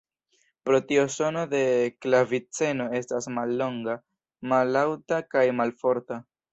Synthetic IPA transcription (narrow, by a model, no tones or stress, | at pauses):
pɾo̞tioso̞no̞de̞klavit͡se̞no̞e̞stasmalːo̞ŋɡa | malawtakajmalfo̞ɾta